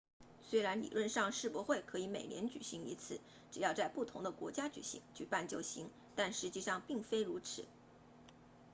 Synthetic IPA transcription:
swe˥ɪɻa˧˥nlḭ˨˩lwə˥˧nʂɑ˥˧ŋʂɻ̩˥˩pwɔ˧˥xwe˥˩ɪkʰɤ˧˥i˧˥me˨˩ɪnjɛ˧˥nt͡ɕy̰˨˩ɕi˧˥ŋi˧˥t͡sʰɹ̩˨˩˦ | ʈ͡ʂɻ̩˨˩jɑ˥˧ʊt͡sa˥˧ɪpu˥˩t̪ʰʊ˧˥ŋd̪ə˧kwɔ̰˧˥t͡ɕja˥t͡ɕy̰˨˩ɕḭ˧˥ŋt͡ɕy̰˨˩pa˥˩nt͡ɕjo˥˩ʊɕi˧˥ŋ | t̪a˥˩nʂɻ̩˧˥t͡ɕi˥˧ʂɑ˥˧ŋpi˥˩ŋfe˥ɪɻu˧˥ʈ͡ʂʰɻ̩˨˩˦

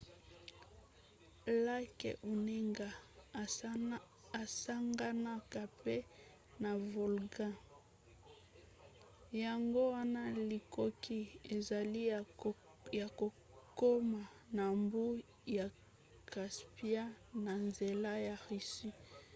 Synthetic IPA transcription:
la˦kḛ˨ʔu˨ne˦ŋɡa˨ | sa˦ŋɡa˦na˦ka˨pe˦ | na˨vo˨lɡã˦ | ja˨ŋɡo˦wa˦na˦li˨ko˦kʰi˦e˨za˨li˦ | ja˨ko˨ | ko˦ma˨ | na˨mbu˦ | ja˨ | ka˨spi˦a˦ | na˨nze˨la˦ja˨ʁi˨si˦

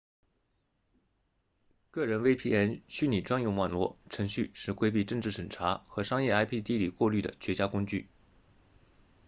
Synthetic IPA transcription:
kɤ˥˩ɻə˧˥nwe˥ɪpʰi˥˩ɛ˥nɕy˥ni˨˩ʈ͡ʂwa˥ŋjʊ˥˧ŋwa˥˩nlwɔ˥˩ʈ͡ʂʰɤ˧˥ŋɕy˥˧ʂɻ̩˥˩kwe˥ɪp̬i˥˧ʈ͡ʂɤ˥˧ŋʈ͡ʂɻ̩˥˩ʂə˨˩nʈ͡ʂʰa˧˥xɤ˧˥ʂɑ˥ŋjɛ˥˩a˥ɪpʰi˥˧t̪i˥li˨˩kwɔ˥˧ly˥˩d̪ə̰˩t͡ɕʰɥɛ˧˥t͡ɕja˥kʊ˥ŋt͡ɕy̰˥˩

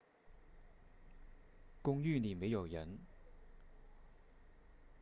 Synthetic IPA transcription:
kʊ˥ŋjyː˥˨niː˨˩nme˨˥jɐ˨˩wjɐ˨˥n

